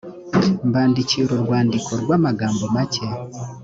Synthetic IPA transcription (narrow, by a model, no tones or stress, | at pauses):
mbaːndiciɾoɾwaːndiko̞ɾwaːmaɡaːmbo̞mace̞